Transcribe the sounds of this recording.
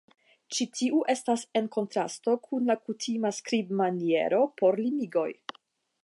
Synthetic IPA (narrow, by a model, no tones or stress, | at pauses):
t͡ʃitʰiuʔe̞stase̞nko̞ntɾa̰sto̞kʰunlakutʰimaskɾibmanie̞̰ɾo̞pʰo̞ɾlimiɡo̞j